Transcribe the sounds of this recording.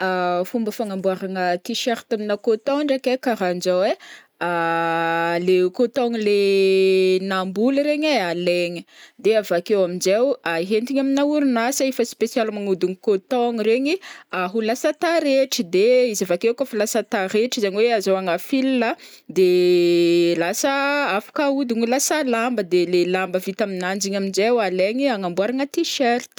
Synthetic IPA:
afumbəfaŋambuaɾaŋət̪iʃaɾi̥t̪aminakot̪oɳɖ͡ʐakekaɾand͡ʒawe | a | lekot̪oŋile | nambuləɾeɲealeɲəd̪eavakewamind͡ʒewaiɦent̪iɲaminauɾunasaefəspesialmanud̪unikot̪oŋɾeɲiaɦulasət̪aɾeʈ͡ʂid̪eizavakewkofilasət̪aɾeʈ͡ʂizaɲiweazawaŋafilla | d̪e | lasəafḁkaud̪uŋilasəlambəd̪elelambəvit̪aminand͡ʒiɲamind͡ʒewaleŋiaŋambwaɾaŋət̪iʃeɾt̪

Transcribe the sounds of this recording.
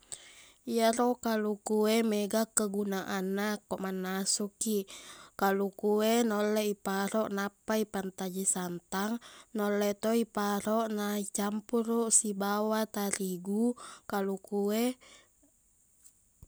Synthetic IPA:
ijaɾɔkalukuɛmeɡakəɡunaʔanːakːɔʔmanːasukikalukuenolːɛipaɾɔʔnapːaipant̪ad͡ʒisant̪aŋnolːɛt̪oipaɾɔʔnait͡ʃampuruʔsibawat̪aɾiɡukalukue

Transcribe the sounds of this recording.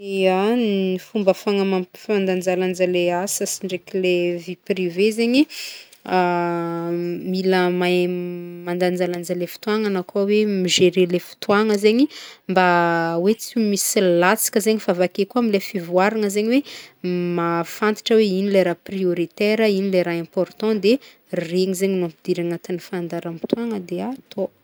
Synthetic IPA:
eannifumbəfaŋəmafand̪and͡zaland͡ʒaleasəsiɳɖ͡ʐekʲileviprivezeɲi | a | miləmajmand̪and͡ʒaland͡zalefi̥t̪uaŋanakawemiʒeɾelefi̥t̪uwaŋəzeɲimbawet͡simisilat͡si̥kʲəzeɲifavakekuamilefivuaɾaŋəzeɲiwemafãnt̪i̥ʈ͡ʂəweinileɾaprioɾit̪eɾəinileɾaɛ̃pɔɾt̪ɔ̃d̪e | reŋizeɲinuãmpid̪iɾaŋat̪anifand̪aɾami̥t̪uaŋəd̪eat̪ʰo

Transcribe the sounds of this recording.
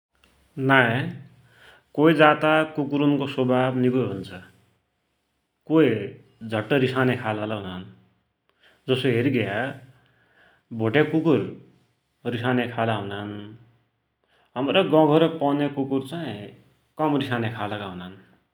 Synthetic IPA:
nae | koid͡zat̪akukuɾunkosobʱabnikojɦunt͡sʰʌ | koi | d͡zʱʌʈːʌɾisanekʰalalaɦunan | d͡zʌsoɦeɾiɡeja | bʱoʈjekukur | risanekʰalaɦunan | ɦʌmɾʌɡʌɡʱʌɾʌpʌnekukurt͡saĩ | kʌmrisanekʰalʌkaɦunan

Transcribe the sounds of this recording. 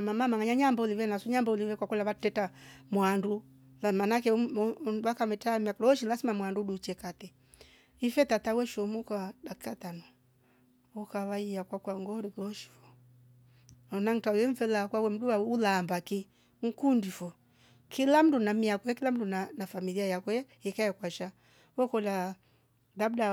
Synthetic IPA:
mamamaŋaɲaɲambauliβɛnasuɲambauliβɛkwakɛlaβatɛtamwandu | lamanakɛ | wakamɛtamiakɔlɔʃilasimamwanduɗut͡ʃɛkatɛ | ifɛtatawɛʃɔmukadakikatanɔ | ɔkaβaiakwakwaŋɡɔɾikɔʃi̥fɔ | ɔnaŋtawɛɱ̩fɛlakwawɛm̩duwaulambaki | ŋ̩kundifɔ | kilam̩dunamiakɔɛkilam̩dunanafamiliajakwɛ | ikaɛkwaʃa | wɔkɔla | dabda

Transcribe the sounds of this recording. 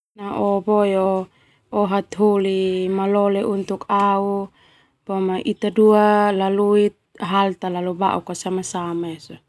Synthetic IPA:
naʔɔbɔjɔ | ɔɦat̪ɦolimalɔlɛʔunt̪ukau | b̥ɔmaʔit̪adualaluit̪̚ɦalt̪alaluba̰ʔukasamasamaɛsɔ

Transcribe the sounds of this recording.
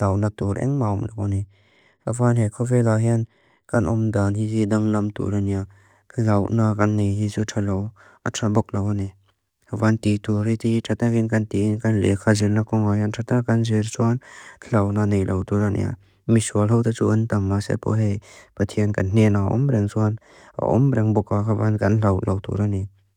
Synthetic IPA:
tawnatuɾɛ̰ŋmamnakɔni | havanɦekʰɔvelaɦjan | kanʔɔmdanhizidaŋlɐmtṵɾanija | kʰlawnakanːejɦizutʰalɔw | atʰɾabɔk̚lawani | kʰabantituɾititʰatakinkantiinkanlḛkʰazilnakɔŋajantʰatakanzeɾsuanʰlawnanejlʔawtuɾanʔḭja̰ | misualɦawtat͡ʃuʔəntamːasḛpɔ̰ɦejpətʰiankannenaɔ̰mbɾɛŋsuan | a̰ʔɔ̰mbɾɛŋbɔkakʰabankanlawlawtṵɾani

